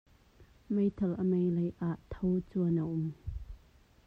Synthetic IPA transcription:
mejt̪ʰɐlʔəmejlɐjʔaʔt̪ʰowt͡suɐnəʔʊm

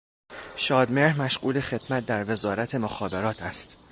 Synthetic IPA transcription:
ʃɒːd̪me̞ɾhmæʃɢuːle̞xe̞d̪̥mæt̪̚d̪æɾve̞zɒːɾæt̪ʰe̞moxɒːbe̞ɾɒːt̪ʰæst̪

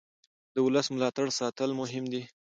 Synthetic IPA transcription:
d̪əwʊləsmʊlɑt̪aɽsɑt̪əlmʊɦɪmd̪i

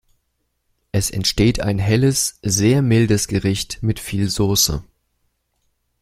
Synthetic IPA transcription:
ʔɛsɛ̰ntʃteːtʰa̰ɪnɦɛləsz̥eːɐmɪldəsɡ̥əʁɪçtmɪtfiːlzoːsə̰

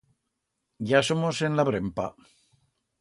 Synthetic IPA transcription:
ɟ͡ʝasomose̞nlaβɾempa̰

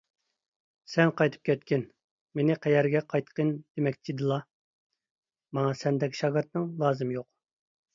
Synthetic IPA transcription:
sɛnqɑjt̪ʰɨ̥p̚kʲʰɛt̪kʲɪn | menɪqʰɛjɛɾɡʲɛqʰɑjt̪qʰənd̪̥emɛk̚ʲt͡ʃ̪ʰid̪ɨlˠɑ | mɑŋɑsɛnd̪ɛkʲʰi̥ʃɑɡɨɾt̪nɨŋlˠɑːzɨmjoq̚

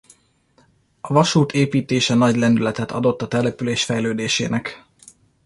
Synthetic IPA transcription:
ɒvɒʃuːt̪ʰeːpiːt̪eːʃɛnɒɟlɛnd̪ylɛt̪ɛt̪ʰɒ̰d̪o̞t̪ːɒt̪ɛlɛpyleːʃfɛjløːd̪eːʃḛːnɛk

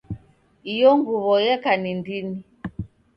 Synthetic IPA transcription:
ijɔŋɡuβɔjɛkanindini

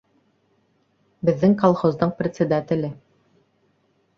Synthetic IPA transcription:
bɘ̆ðːɘŋkolˠχozd̪ɤɴprʲɪt̪sed̪at̪ʲɘ̆lɘ

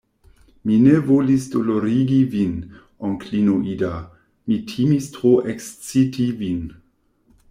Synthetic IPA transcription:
minevolisdoloɾiɡivin | ɔŋkʰlinoʔida | mitʰimistʁoʔekst͡sitʰivin

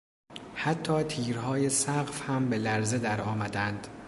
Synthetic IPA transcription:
hæt̪ʰːɒːt̪ʰiːɾhɒːje̞sæɣfhæmbe̞læɾze̞d̪æɾɒːmæd̪ænd̪̥

